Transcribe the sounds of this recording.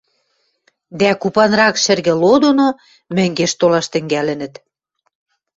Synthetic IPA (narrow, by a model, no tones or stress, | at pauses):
d̪ækupɑnrɑkʃɘ̆rɣĕlod̪ono | mɘ̆ŋɡeʃt̪olɑʃt̪ɘ̆ŋɡælɘ̆nə̆t̪